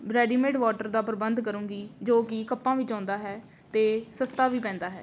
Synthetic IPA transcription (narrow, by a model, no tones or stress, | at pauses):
bɾɛːɖiːmeːʈʋaːʈəɾd̪aːpəɾəbənd̪kəɾũːŋɡiːd͡ʒoːkɪkəpːãːʋɪt͡ʃãːnd̪aːɦɛː | t̪eːsəst̪aːʋiːpɛ̃ːnd̪aːɦɛ̰ː